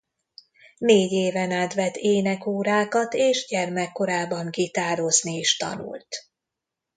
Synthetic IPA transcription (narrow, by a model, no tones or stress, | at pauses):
neːɟeːvɛnaːt̪vɛt̪ːeːnɛkoːɾaːkɒt̪eːʒɟɛrmɛkːo̞ɾaːbːɒŋɡit̪aːɾo̞znieːʃt̪ɒ̰nṵlt̪